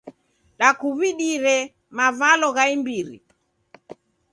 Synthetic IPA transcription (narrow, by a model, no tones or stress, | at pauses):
ɗakuβiɗiɾɛ | mavalɔɣaimbiɾḭ